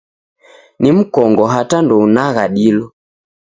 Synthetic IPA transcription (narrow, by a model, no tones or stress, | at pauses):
nim̩kɔŋɡɔɦatandɔunaɣaɗilɔ